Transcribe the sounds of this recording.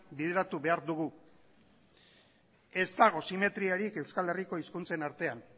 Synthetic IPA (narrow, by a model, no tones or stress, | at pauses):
biðeɾat̪uβe̞aɾd̪uɣ̞u | e̞zt̪aɣ̞o̞sime̞t̪ɾiaɾike̞wskale̞riko̞iskunt͡se̞naɾt̪e̞an